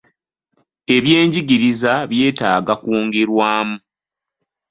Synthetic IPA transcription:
e̞βje̞ːɲɟiɡiɾizaβje̞ːta̰ːɡakwoːŋɡe̞ɾwaːmu

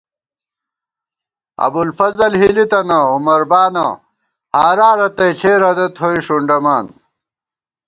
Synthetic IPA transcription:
ɐ̰bulfɐzɐlɦilit̪ɐnɐumɐɾbaːnɐ̰ | haːɾaːɾɐt̪ɐjt͡ɕʰeːɾɐd̪ɐt̪ʰoiʂuɳɖɐmaːn

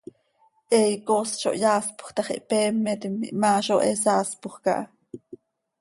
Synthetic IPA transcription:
ʔɛjkosʃo̰ʔjaːspu̥χt̪ɑχḭʔpeːmːɛt̪imːḭʔmaːʃoʔesɑːspuχkɑ̰ʔɑ

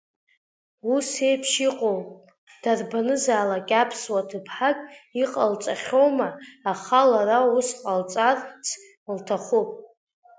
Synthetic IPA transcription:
use̞jpʰʃiqʼowpʼ | d̥arbanɨzaːlakʲʼapʰswatʰɨpʰħakʼiqʼalt͡ʃʼaχʲowmaːχalaɾausqʼalt͡sʼart͡sʰ | ltʰaχupʼ

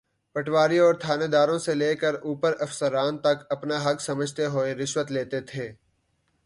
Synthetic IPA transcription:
pɐʈʰwaːɾiɔːɾt̪ʰaːned̪aːɾõseleːkəɾuːpəɾɐfsəɾaːnt̪ɐkɐpnaɦɐksɐməd͡ʒʱt̪eɦoːeɾɪʃwət̪leːt̪et̪ʰeː

